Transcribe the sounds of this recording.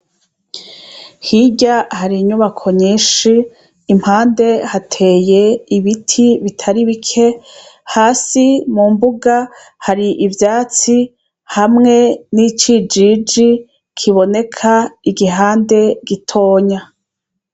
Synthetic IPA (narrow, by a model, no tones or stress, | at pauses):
hiɟahaɾiɲuβakʰo̞ɲiːʃiː | m̥haːnde̞hatʰe̞ːje̞iβitʰiβitʰaɾiβikʰe̞haːsimumbuɡa | haɾiʔivjaːt͡si | hamŋe̞nit͡ʃid͡ʒid͡ʒi | kʰiβo̞ne̞kʰaiɡiɦaːnde̞ɡitʰo̞ːɲa